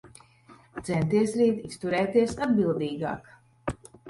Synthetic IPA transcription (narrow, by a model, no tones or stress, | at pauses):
t̪sɛnt̪iɛsɾiːt̪ist̪uɾɛːt̪iɛsad̪bilˠd̪iːɡa̰ːk